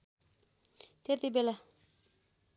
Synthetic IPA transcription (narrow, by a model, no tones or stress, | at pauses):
t̪ʰeɾt̪ibela